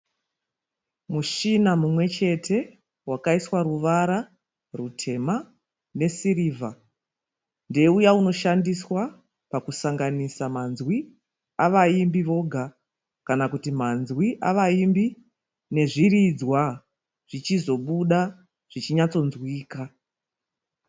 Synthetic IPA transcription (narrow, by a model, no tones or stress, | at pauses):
muʃinamumwe̞t͡ʃe̞tʰe̞ | wakaiswaɾuʋaɾa | rutʰe̞ma | ne̞siɾiːvʱa | nde̞ujauno̞ʃandiswa | pakusaŋɡanisamanzwi | aʋaimbiʋo̞ɡʱa | kanakutimanzwiʔa̰ʋaimbi | ne̞ʐirid͡zwa | ʐ̥it͡ʃizo̞ɓuɗa | ʐ̥it͡ʃiɲat͡so̞nzwiːka